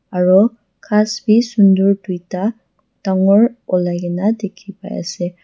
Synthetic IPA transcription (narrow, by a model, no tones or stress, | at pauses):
aɹɔ | kʰasbisunduɹdujta | taŋɔɹɔlajɡɛnadekʰipa̰ja̰sɛ